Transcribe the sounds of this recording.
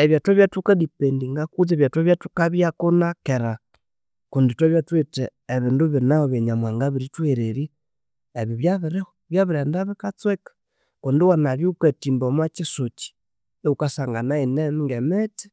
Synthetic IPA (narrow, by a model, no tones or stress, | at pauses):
eβjatweβjatukadipendiŋɡakut͡seβjatwaβjatukaβjakonakeɾa | kunditweβjatweteːβinduβinaoβeɲamwaŋɡaβiɾitweɾeɾi | eβiβjaβiɾeoβjaβiɾendaβikat͡swekḁ | konduwanaɾjuketimbomat͡ʃisot͡ʃi̥ | ukasaːŋɡanainemŋɡemeti̥